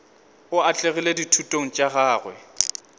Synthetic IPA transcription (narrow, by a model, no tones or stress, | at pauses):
ʊat͡ɬʼeɣileditʰutʼoŋ̩t͡ʃʼaɣaːɣwɛ̰